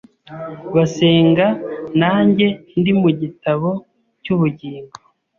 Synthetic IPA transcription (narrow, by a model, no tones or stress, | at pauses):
βaseːŋɡanaːɲɟe̞ndimuɟitaβo̞ | cuβuɟiːŋɡo